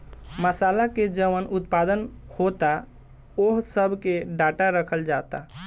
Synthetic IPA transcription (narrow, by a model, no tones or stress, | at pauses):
məsalaked͡ʒəʋənʔut̪̚pad̪ənhot̪a | oɦsəbʱkeɖaʈaɾəkʰəld͡ʒat̪a